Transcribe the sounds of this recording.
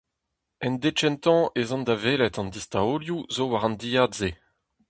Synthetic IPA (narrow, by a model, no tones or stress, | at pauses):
ɛnd̪et͡ʃɛnt̪ɑ̃ʔezɔ̃nd̪aveːlɛt̪ɑ̃nd̪ist̪aoljuzowaʁɑ̃nd̪ijadze